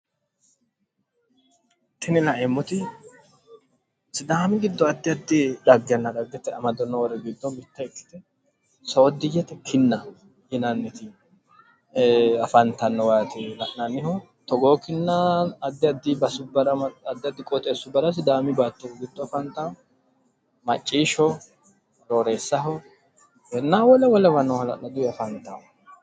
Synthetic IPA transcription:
t̪ɪnɪlɐʔɛmːɔt̪ɪ | sɪd̪aːmɪɡɪd̪ːɔɐd̪ːɪɐd̪ːɪᶑɐɡːɛnːɐᶑ̪ɐɡːɛt̪ːɛɐmɐd̪ɔnːɔwɔɾɛɡɪd̪ːɔmɪt̪ːɐɪkːɪ̥t̪ɛ | sɐwɔd̪ːɪjɛt̪ːɛkʰɪnːɐ | ɪnɐnːɪt̪ɪ | ɐfɐnt̪ɐnːɔwaːt̪ɪnɐʔnɐnːɪhɔ | t̪ɔɡoːkɪnːɐːd̪ːɪɐd̪ːibɐsʊbɐɾɐɐd̪ːɪɐd̪ːɪkʼɔt̪ʼeːsʊbɐɾɐs̬ɪd̪aːmɪbaːt̪ːɔɡɪd̪ːɔɐfɐnt̪ːɐɔ | mɐt͡ʃʼːiːʃɔ | d̪oːɾe̞ːsːɐɦɔ | hɛnːaːwɔlɛwɔlɛwɐnɔhɐlɐ̰lːɐd̪ʊɐfɐnt̪ːɐ

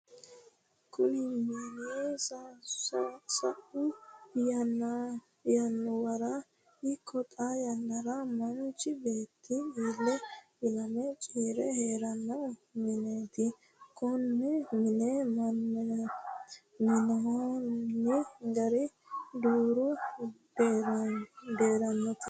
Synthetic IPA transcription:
kʰʊnɪmenɪes | sɐʔʊjɐnː | jɐnːʊwɐɾɐ | ɪkʰːɔt̪ʼajɐnːɐɾɐmɐnt͡ʃːɪbe̞ːt̪ʰːɪiːlːɛʔɪlɐmɛt͡ʃʼiːɾɛheːɾɐnːɐmɪneːt̪ɪ | kʰɔnːɛmɪnemɐn | mɪnɐɦɔnːɪɡɐɾɪ | d̪uːɾʊ | d̪eːɾɐnːɔt̪

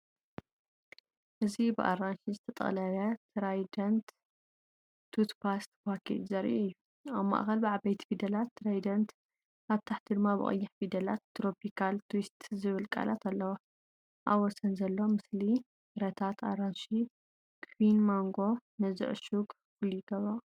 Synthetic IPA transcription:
ʔɨzibɨʔa̰ranʃizɨt̪ʰɐt̪ʼɐ̰lɐlɐt̪ʰɾajd̪ɐnt̪ | t̪ʰut̪pʰast̪pakʰḛzɐɾḭʔɨjːu | aβma̰ʔxɐlbɨʕabɐjt̪ʰi̥fid̪ɐlat̪ːɨɾajd̪ɐnt̪ | ʔaβt̪ʰaħt̪ʰid̪ɨmːabɨ̰χʼɨ̰jːɪħfid̪ɐlat̪ːɾopʰikʰalt̪ʰwist̪zɨβɨlkʼa̰la̰t̪ʰalːɐwo | ʔa̰βːɔsɐnzɐlːo̞mɨsli | ɨɾɐt̪ʰat̪ʰaɾanʃi | kʰwinmoŋɡo̞nɐzɨ̰ʔʃuɡ | fɨlit̪ɐβo

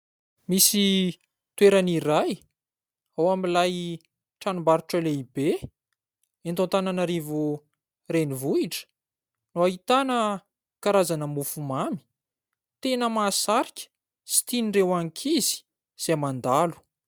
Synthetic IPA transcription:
misi | t̪weɾaniɾaj | awamilaj | ʈ͡ʂanumbaɾuʈ͡ʂaleibe | ent̪ont̪ananaɾivu | renivuiʈ͡ʂə̥ | noaɦit̪anə | kaɾazanəmufumami̥ | t̪enəmaːsaɾikʲə̥ | si̥t̪inirewaŋkʰizi̥ | z̥emand̪alu̥

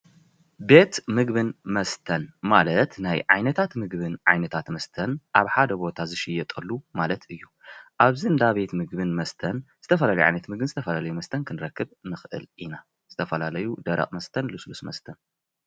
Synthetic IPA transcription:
be̞t̪mɨɡbɨnmɐst̪ʰɐnmalɐt̪najʕa̰jnɐt̪ʰat̪mɨɡbɨnʕa̰jnɐt̪ʰat̪mɐst̪ʰɐnʔaβħad̪ɐbo̞t̪ʰazɨʃɪjːɛt̪ʼɐlːumalɐt̪ɨjːu | ʔaβzind̪aβe̞t̪mɨɡbɨnmɐst̪ʰɐnz̥ɨt̪ʰɐfɐlalɐjʕa̰jnɐt̪mɨɡ̚bɨnzɨt̪ʰɐfɐlalɐjumɐst̪ʰɐnkʰɨnɨɾɐkːɨbnɨxʔɨ̰lʔina | z̥ɨt̪ʰɐfɐlalɐjud̪ɐɾɐ̰χʼmɐst̪ʰɐnlɨslusmɐ̰st̪ʰɐn

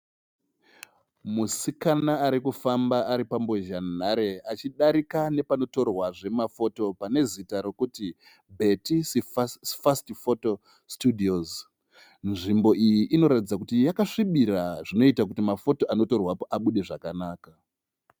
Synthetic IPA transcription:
musikanaːɾikufambaaɾipamboʒanaɾe̞at͡ʃiɗaɾikane̞pano̞to̞rwaʐe̞mafo̞to̞pane̞zitaɾo̞kuti | bʱe̞tisefastifoto | studʱioz | nʐimbo̞ʔijiʔːno̞ɾatid͡zakutijakaʂiɓiɾaʐino̞itak̬utimafo̞to̞ʔano̞torwapoʔaɓuɗe̞ʐakanaːka

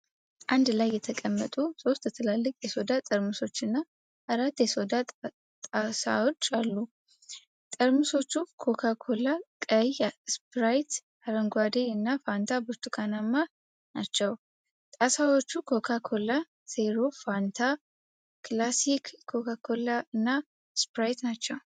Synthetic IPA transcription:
ʔand̪lajːɛt̪ʰəkʼəmːət̪ʼuso̞st̪ət̪ʰəlalːɨkʼjɛso̞d̪at̪ʼəɾmɨso̞t͡ʃːɨnːa | ʔəɾat̪ːjɛsod̪a | t̪ʼasa̰wot͡ʃːalːu | t̪ʼəɾmɨso̞t͡ʃːukʰo̞kʰakʰo̞lakʼəjaspɾajt̪ | aɾəŋɡwad̪eɨnːafant̪ʰabut̪ʼːukʰanamːa | nat͡ʃːɛw | t̪ʼasawot͡ʃːukʰo̞kʰakʰo̞la | seɾofant̪ʰa | klasikʰːo̞kakʰo̞laɨnːa | spɾajt̪nat͡ʃːɐw

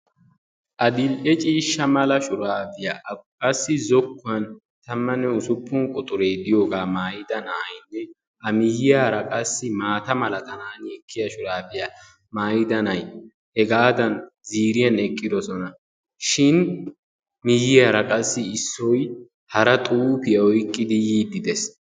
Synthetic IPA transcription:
ʔɐd̪ɪlʔɛt͡ʃʼiːʃːɐmɐlɐʃʊɾaːfɪjakʼɐsːɪzɔkːʊɐn | t̪ɐmːɐnːɛʊsʊpːʊnkʼʊt̪ʼʊɾeːd̪ɪjoːɡaːmaːjɪd̪ɐnɐɐjnːɛ | ɐmɪjɪjaːɾɐkʼɐsːɪmaːt̪ɐmɐlɐt̪ɐnaːnɛkʰːɪjɐʃʊɾaːfɪja | maːjɪd̪ɐnɐj | hɛɡaːd̪ɐnziːɾɪjɐnɛkʼːɪd̪ɔsɔnɐ | ʃɪn | mɪjːɪjaːɾɐkʼɐsːɪɪsːɔj | hɐɾɐt̪ʼuːfɪjɐɔjkʼːɪd̪ɪjiːd̪ɪd̪ɛs

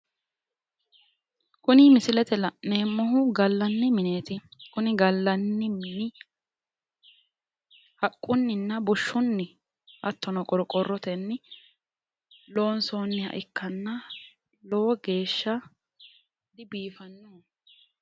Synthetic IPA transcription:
kʊnɪmɪsɪlɛt̪ɛlɐʔne̞ːmːɔɦʊɡɐlːɐnːɪmɪne̞ːt̪ɪkʊnɪɡɐlːɐnːɪmnɪ | hɐkʼːʊnːɪnːɐbɔʃːʊnːɪ | ʔɐt̪ːɔnɔkʼɔɾɔkʼɔrːɔt̪ɛnːɪ | lo̞ːnsoːnːɪhɐ̰ʔɪkːɐnːɐ | lowɔɡe̞ːʃːɐ | d̪ɪbiːfɐnːuː

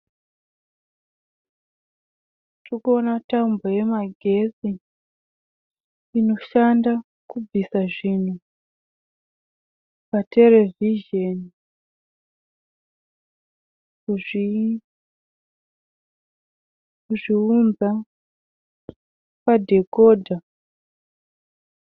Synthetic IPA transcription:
trukuo̞nataumboje̞maɡʱe̞si | ino̞ʃanda | kub͡visaʐin̤u | pate̞le̞viʒeni | kuʐi | kuʐiunza | padʱe̞ko̞ːdʱa

